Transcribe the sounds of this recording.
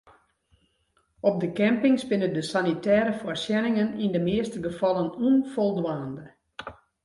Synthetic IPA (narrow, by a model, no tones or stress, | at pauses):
ɔp̚dəkɛmpɪŋsbɪnədəsanitɛːɾəfɔrsjɛnɪŋənindəmɪəstəɡəfɔlˠənuənfɔlˠdwaːndə